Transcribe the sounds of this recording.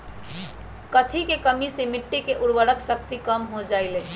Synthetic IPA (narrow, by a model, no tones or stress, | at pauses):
kət̪ʰikekəmisemɪʈːikeʔʊɽʋəɽəksək̚t̪ikəmɦod͡ʒaɪle